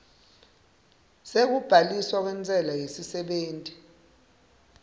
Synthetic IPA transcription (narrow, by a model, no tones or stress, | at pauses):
sek̬ub̥ʱaliswak̬wɛnt͡sʼɛlajesisɛɓeːntʼi